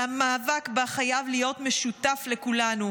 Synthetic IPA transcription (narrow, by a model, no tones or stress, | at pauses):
amaːvakbaχajavlijo̞tme̞ʃutafle̞kulanu